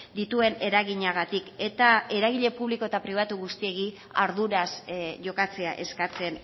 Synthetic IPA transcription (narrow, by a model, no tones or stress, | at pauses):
d̪it̪ue̞ne̞ɾaɣiɲaɣat̪ike̞t̪ae̞ɾaɣiʎe̞puβliko̞e̞t̪apɾiβ̞at̪uɣust̪ie̞ɣi | aɾðuɾasʝo̞kat͡se̞aʔe̞skat͡se̞n